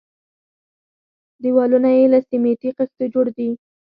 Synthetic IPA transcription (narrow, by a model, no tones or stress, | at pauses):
d̪iwɑlunajelasimet̪iqɪst̪od͡ʒoɽd̪i